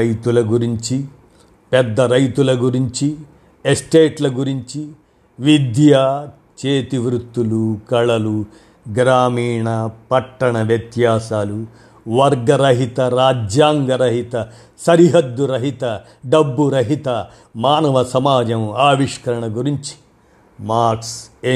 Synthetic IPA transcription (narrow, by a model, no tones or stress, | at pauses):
ɐjt̪ulɐɡuɾiɲt͡ʃi | pɛd̪ːɐɾɐjt̪ulɐɡuɾiɲt͡ʃi | esʈeːʈlɐɡuɾiɲt͡ʃi | ʋid̪ja | t͡ʃeːt̪iʋɾut̪ːulukɐɭɐlu | ɡɾaːmiːɳɐpɐʈːɐɳɐʋjɐt̪jaːsaːlu | ʋɐɾɡɐɾɐɦit̪ɐɾaːd͡ʒjaːŋɡɐɾɐɦit̪ɐ | sɐɾiɦɐd̪ːuɾɐɦit̪ɐ | ɖɐbːuɾɐɦit̪ɐ | maːnɐʋɐsɐmaːd͡ʒɐmaːʋiʂkɐɾɐɳɐɡuɾiɲt͡ʃi̥ | maːɾkseː